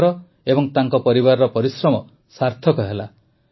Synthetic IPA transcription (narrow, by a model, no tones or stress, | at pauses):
ɾɔ | ebɔŋt̪aŋkɔpɔɾibaɾɾɔpɔɾisɾɔmɔ | saɾt̪ʰɔkɔɦela